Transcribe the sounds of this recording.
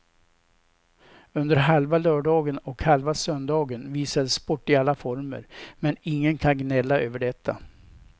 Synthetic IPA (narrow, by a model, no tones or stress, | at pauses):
ɵnd̪əɾɦalvalœːɖɑːɡənɔkhalvasœnd̪ɑːɡənviːsad̪əspɔʈːɪalːafɔɾmə̰ɾmɛnɪŋːənkʰanɡnɛlːaʔøːvəɖɛt̪ʰːa̰